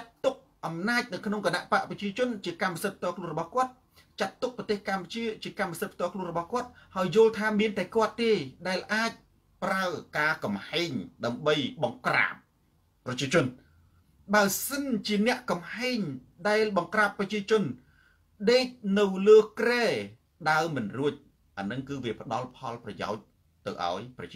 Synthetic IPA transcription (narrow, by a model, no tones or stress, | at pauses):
t͡ɕat̪ːuk̚ʔɑmnaːc̚nɨwkʰnoŋkənaʔpaʔprɑt͡ɕiət͡ɕʊ̆ənt͡ɕiəkamːasət̪̚p̚ʰt̪ɔəkʰluənrɔɓɑhkŏət̪̚ | t͡ɕat̪ːuk̚prɑt̪eːhkamput͡ɕiət͡ɕiəkamːasət̪̚pʰt̪ŏəkʰlŭənrɔɓɑhkŏət̪̚haəjːŏəlt̪ʰaːmiənt̪aɛkŏət̪ːeːɗaɛlʔaːc̚ | praəkaːkɑmhaːɲɗaəmɓəjɓɑŋkra̰ːp̚ː | rɑt͡ɕiət͡ɕʊ̆ən | ɓaəsənt͡ɕiənɛ̆əʔkɑmhaɛɲ | ɗaɛlɓɑŋkraːpːrɑt͡ɕiət͡ɕʊ̆ən | ɗeːc̚nɨwləːkreː | ɗaəmɨnruəc̚ | ʔanɨŋkɨːʋiəpə̆ɗɑlpʰɑlprɑja̰ɔc̚ | t̪ɨ̰wʔa̰ɔjprɑt͡ɕi